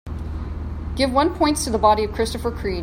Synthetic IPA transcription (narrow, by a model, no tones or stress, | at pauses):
ɡ̥ɪvwʌ̃npʰɔ̃ɪ̃ntʰɨðəbɑɾiʌv̥kʰɹ̥ɪstɨfə˞kʰɹ̥i